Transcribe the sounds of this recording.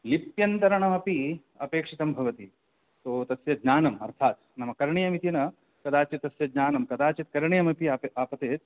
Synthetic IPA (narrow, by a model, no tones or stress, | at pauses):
lipjɐnt̪ɐɾɐɳɐmɐpi | ɐ̰peːkʂit̪ɐmbʱɐʋɐt̪i | t̪oːt̪ɐsjɐd̪ɲaːnɐmɐ̰ɾt̪ʰaːt̪ | nɐmɐkɐɾɳijɐmit̪inɐ | kɐd̪aːt͡ʃɐt̪ɐsjɐd̪̚ɲaːnɐmkɐd̪aːt͡ʃɐt̪̚kɐɾɳijɐmɐpiɐaːpɐt̪eːt̪̚